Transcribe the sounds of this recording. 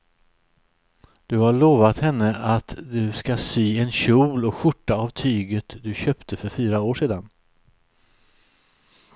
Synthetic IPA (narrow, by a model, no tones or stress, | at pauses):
d̪̥ɵhaɭoːvat̪hɛnːəat̪d̪ɵskasyːɛnɕuːlɔkɧʊʈːaavt̪ʰyːɡət̪d̪ɵɕœːpt̪ʰəfœɾfyːɾaoːʂeːd̪an